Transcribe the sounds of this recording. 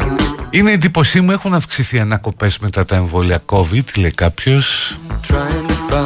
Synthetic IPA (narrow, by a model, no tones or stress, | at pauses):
ine̞ːnd̪ipo̞simue̞xunɐfksiθiɐnɐko̞pe̞zme̞t̪ɐt̪ɐe̞ɱvo̞liɐko̞vid̪ileikɐpço̞st